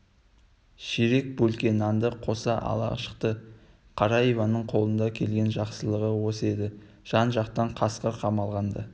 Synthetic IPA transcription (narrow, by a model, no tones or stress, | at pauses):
ʃeɾe̞k̚bɵlkʲe̞nɑnd̪əqʰo̞sɑʔɑ̰lˠɑ̰ʃə̥qt̪ə | qʰɑɾɑjevɑnəɴqʰo̞lˠənd̪ɑkʲʰe̞lɡʲe̞nʒɑqsəlˠəʁəwo̞se̞d̪ɪ | ʒ̥ɑnʒɑqt̪ɑɴqʰɑsqəɾqʰɑmɑlˠʁɑnd̪ə